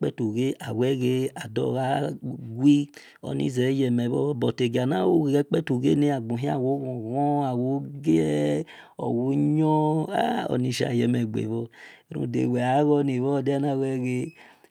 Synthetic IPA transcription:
k͡pɛ˦tu˨ɣe˦ʔa˨wɛ˦ɣe˦a˨dɔ̰˦˨ɣa˦ɡʷi˦ | ɔ̰˨nḭ˦zɛ˨˦jɛ˨mɛ˨βɔ˦bɔ˨te˨ɡa˨na˦wo˦ɣe˨ɛ˦k͡pɛ˦tu˨ɣḛ˦ne˦a˨ɡ͡bõ˨ɦĩ˦a̰˨wo˨˦ɣɔ̃˨ɣɔ˦a˨wo˦ɡe˦ | ɔ̰˨wo˦ɲɔ˦a̰˦ɔ̰˨ni˧ʃa̰˨jɛ˨mɛ˨ɡ͡bḛ˨βɔ˦˨ɾṵ˦˨dḛ˨we˨a˨˦ɣɔ˦ni˨βɔ˦˨de˦a˦na˦˨wɛ˦ɣe˦

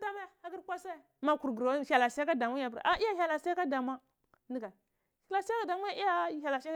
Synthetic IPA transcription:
da˦ma˦ja˦˨a˦ɡi˦ɾkʷa˦sa˦˨ | ma˦ku˨ɾɡɾa˨la˨sa˦ka˦da˨ma˦a˨pɾ̰ʔa˦i˦ja˦ça˨la˨ska˦da˨ma˦ | ni˦ɡa˨ | ha˨la˨sa˦ka˨da˨ma˦ja˦i˦ja˦ja˨la˨s

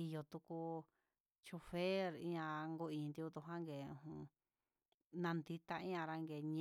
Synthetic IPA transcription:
i˧jo˧˨t̪u˧ku˧ | t͡ʃu˧fe˦ɾḭ̃˦ɲã˧ŋɡu˧ĩː˨˧nd̪i˧u˧t̪u˧ɦã˦ŋɡeː˨ṵ̃˧hũ˧ | nã˧nd̪i˧t̪a˧ĩ˦ã˧ɾa˧ŋɡeː˨ɲ̃

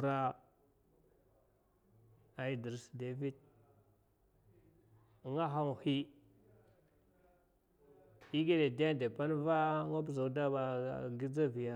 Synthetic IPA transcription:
ɾa˦ | a˨i˨di˨ɾsde˨vi˦d̚ | ŋa˦ɦa˦ŋ˨hi˦ | i˦ɡe˦de˨da˦˨de˨pa˦n˦va˦ŋa˦b̬za˨˦da˦ba˨ɡi˦d͡za˦vi˨ja˦˨

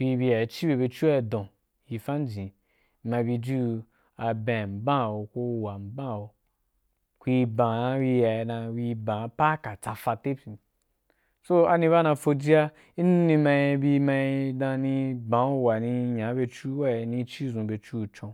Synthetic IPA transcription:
kʷi˧bi˧ja˨i˨t͡ʃi˦be˧be˧t͡ʃu˦wa˦i˧dõ˨ | ji˧fa˦n˦d͡ʒĩ˨˦ | ma˧bi˧d͡ʒu˦˧ | a˧bã˨m̩˨bã˦˨wo˨ko˦˧wa˨m̩˨˦bã˦˨wo˨ | kʷi˧bã˨a˧wi˧ja˨i˧nã˧wi˧bã˨pa˦ka˨t͡sa˧fa˧te˦si˨ | so˦a˧nĩ˧βa˦nã˧fo˧d͡ʒi˦a˦ | i˦n˦nĩ˧ma˧i˧bi˧ma˧i˧dã˧nĩ˧bã˨˦u˧wa˨nĩ˧ɲã˨˦be˧t͡ʃu˦wa˦i˨˧nĩ˧t͡ʃi˦˨zũ˨be˧t͡ʃu˦˨t͡ʃõ˧

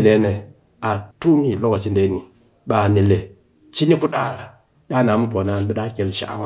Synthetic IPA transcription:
le˦ne˨ | a˨tu˦mi˦˨lo˦ɡo˨t͡ʃi˦nde˦ni˨ | ɓa˨ne˨le˨ | t͡ʃi˦ɲe˦ku˦ɗa˦ɾa˨ | ɗa˦na˨mu˦bo˨na˦nbi˦ɗa˦ke˨lʃa̰˦ʔwa˦

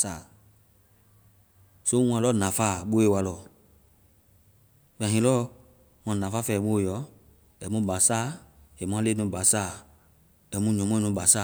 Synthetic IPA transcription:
saː˦˨ | so˦w̃ã˨lɔ˦nã˨faː˦˨ɓo˦e˦˨wa˧lɔ˨ | fã˨ɦĩ˨˦lɔ˦ | mã˨nã˨fa˦fɛː˧˨mũ˦˨jɔ˨˦ | ɛ˨mũ˦ba˨saː˦e˨mã˦le˦nũ˧˦ba˨saː˦˨ | ɛ˨mũ˧˦ɲɔ̃˨mɔ̃˦nũ˧˦ba˨sa˦˨

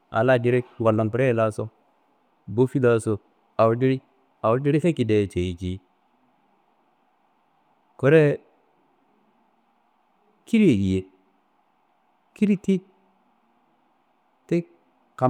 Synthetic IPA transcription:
a̰˨la˦˨di˨˦ɾe˦kwa˨lːo˨npɾe˦˨la˦so˦ | bo˦fi˦la˦so˨ | a˨wu˨˦di˦ɾi˦ | a˨wu˦di˦ɾi˦te˦ki˨de˨t͡ʃe˨i˨t͡ʃi˦ | ko˦ɾe˦ | ki˦ɾi˦e˨ji˨je˨ | ki˦ɾi˦ti˦ | te˦ | ka˨

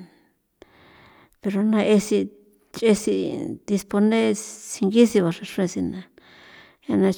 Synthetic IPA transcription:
pe˧ɾo˧nã˧e˧si˧ | t͡ʃe˧si˧d̪i˧spo˧nẽ˦si˧ŋɡi˦si˧βa˧ʂa˧ʂu˦ẽ˧si˧nã˧ | ɲa˧nã˧

